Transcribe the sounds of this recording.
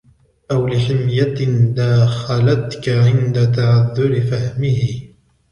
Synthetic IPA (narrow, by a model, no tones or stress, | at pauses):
ʔawlɪħɪmjad̪aːxalat̪kaʕɪnd̪at̪aʕaðːʊɾɪfahmɪhɪ